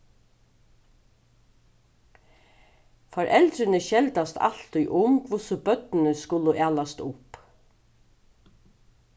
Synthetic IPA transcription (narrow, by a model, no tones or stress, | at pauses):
fɔɾʔɛlt̪ɾɪnəʃɛlt̪ast̪a̰l̥t̪ʏjʔʊmkʰvʊsʊbœt̪nɪnəskʊləʔæːlast̪ʊp